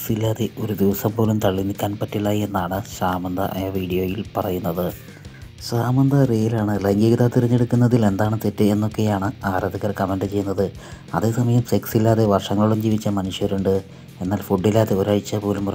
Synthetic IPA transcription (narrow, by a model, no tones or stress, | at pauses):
silːaːðe̞ʔo̞ɾud̪iʋɐsɐmpo̞ːlumt̪ɐɭːinikʲːaːnpɐtːilaːjie̞nːaːɳɨsaːmɐnd̪ʱɐ̰ʔɐ̰jaʋiːɽijo̞ːjilpɐrɐjunːɐðɨ | saːmɐnd̪ɐrejilaːɳɨlɐŋɡiɣɐðaːt̪iriɲːeɽukːunːɐðile̞nd̪aːɳɨt̪etːɨenːo̞kːe̞jaːɳɨaːɾɐðiɣɐrkɐmenɖɨt͡ɕe̞jːunːɐðɨ | ɐðe̞ːsɐmɐjɐmse̞ksilːaːðe̞ʋɐrʂɐŋːɐɭuɭumd͡ʑiːʋit͡ɕːɐmɐnuʂjɐɾuɳɖɨ | e̞nːaːlfuɖːilːaːðeoːɾaːjit͡ɕːɐpo̞ːlum